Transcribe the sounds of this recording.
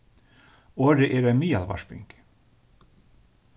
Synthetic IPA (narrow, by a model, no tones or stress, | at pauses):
oːɾəʔeːɾɛmiːɑlʋɑ̰ʃpʏ̰ŋk